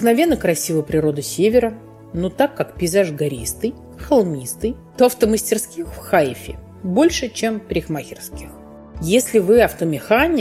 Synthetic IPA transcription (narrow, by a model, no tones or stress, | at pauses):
knɐvʲe̞nːəkɾɐsʲivəjpɾʲɪɾo̞d̪ɨsʲevʲɪɾə | not̪akːakpʲɪɪzaʐɡɐɾʲist̪ɨj | xɐlˠmʲist̪ɨjt̪oɐft̪əməsʲtʲɪrskʲixfxajfʲɪ̰ | bo̞lʲʂɨt͡ɕe̞mpɾʲɪxmaxʲɪrskʲɪx | jesʲlʲɪvɨɐft̪əmʲɪxanʲɪ